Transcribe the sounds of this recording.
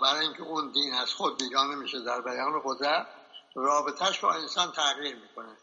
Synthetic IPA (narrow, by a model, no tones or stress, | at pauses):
bæɾːiŋcʰeuːnd̪iːnæz̥xod̪ːiːɡɒːnemiːʃed̪æɾbæjɒːnbeɣozɾærɒːbet̪ʰæʃbɒ̰ːensɒːnt̪ʰæɣiːɾmiːkʰo̞ne